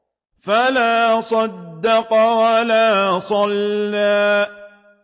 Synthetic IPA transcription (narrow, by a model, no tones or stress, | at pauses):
falaːsˤɑd̪ːɑqwalaːsˤɑlːaː